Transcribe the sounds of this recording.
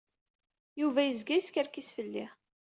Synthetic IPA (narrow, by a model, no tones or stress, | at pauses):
juvæjəzɡæjskəɾkisfəlːi